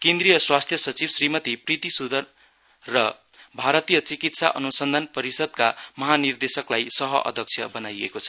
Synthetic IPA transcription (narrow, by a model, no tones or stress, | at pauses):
kẽnd̪rijʌswast̪ʰjʌsʌt͡sibsrimʌt̪iprit̪isud̪ʱʌrː | ʌ | bʱaɾʌt̪ijʌt͡sikit̪saʔʌnusʌnd̪ʱanpʌɾisʌd̪̚kamʌɦanird̪esʌklajsʌɦʌʔʌ̰d̪ʱʌk̚t͡sʰjʌbʌnajḛkot͡sʰʌ̥